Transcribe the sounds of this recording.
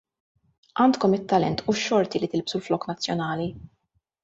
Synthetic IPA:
ʔɐːnt̪kɔmɪt̪ːɐlɛnt̪uʃːɔɾt̪ilit̪ɪlbsulflɔːknɐt͡sːjɔnɐːli

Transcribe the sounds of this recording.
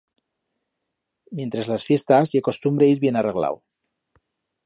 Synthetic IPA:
mjent̪ɾelasfjest̪azjekost̪umbɾejzβjenareɣla̰w

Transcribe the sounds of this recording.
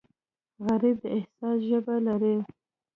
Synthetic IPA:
ɣaɾib̚d̪əɪhsɑsʒəbalaɾe

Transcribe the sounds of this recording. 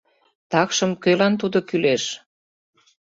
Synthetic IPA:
t̪ɑkʃə̆mkølɑnt̪ud̪okyleʃ

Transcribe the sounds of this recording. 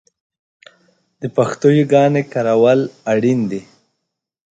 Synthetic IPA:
d̪əpaxt̪ojoɡɑnekaɾawalaɽind̪i

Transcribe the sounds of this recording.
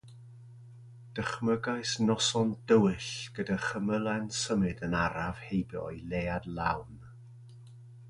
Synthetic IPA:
d̥əχməɡaɨsnɔsɔndəwɨɬɡ̥ədaχəməlˠɛnsəmɨdənaɾav̥hejbjɔ̰jlˠeːadlˠa̰wn

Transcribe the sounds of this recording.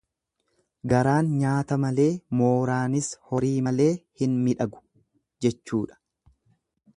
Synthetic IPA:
ɡɐɾaːnɲaːt̪ɐmɐle̞ːmo̞ːɾaːnɪshɔɾiːmɐle̞ːhɪnmɪᶑɐɡʊ̥ | d͡ʒɛt͡ʃːuːᶑɐ̥

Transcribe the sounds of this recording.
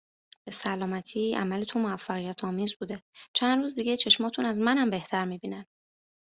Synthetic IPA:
b̥e̞sælɒːmæt̪ʰiːʔæ̰mælet̪ʰomoæfːæɣijæt̪ʰɒːmiːzbuːd̪e̞t͡ʃʰænɾuːzd̪iɡet͡ʃʰe̞ʃmɒːt̪ʰunæzmænæmbe̞ht̪ʰæɾmiːbiːnæn

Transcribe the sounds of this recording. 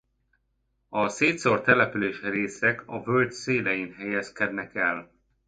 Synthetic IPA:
ɒseːt̪sort̪ɛlɛpyleːʃreːsɛkʰɒvølt̪seːlɛjinɦɛjɛskɛd̪nɛkɛl

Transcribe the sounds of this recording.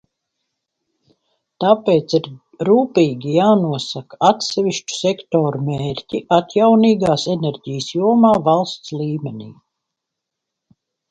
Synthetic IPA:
t̪apeːt̪siɾ | ɾuːpiːɡʲijaːnuɔsakaat̪sɛviʃt͡ʃu̥sʲɛkt̪oːɾumʲeːɾʲcʲiʔat̪jawniːɡaːsɛnɛɾʲɟijəsjuɔmaːvalˠst̪sliːmʲɛnʲḭː

